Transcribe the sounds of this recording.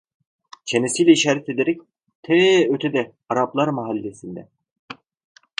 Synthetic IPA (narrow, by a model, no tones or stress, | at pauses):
t͡ʃʰenesijlʲɛiʃaːɾɛt̪ed̪eɾɛc | t̪ʰɛøt̪ʰɛd̪ɛ | aɾaplˠaɾmaɦalʲːesind̪ɛ